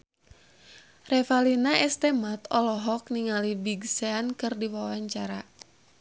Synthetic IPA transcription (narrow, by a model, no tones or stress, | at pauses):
rɛfalinaʔɛst̪ɛmat̪ɔlɔɦɔk̚niŋalibiɡsɛankɨrdiwawaɲt͡ʃaɾa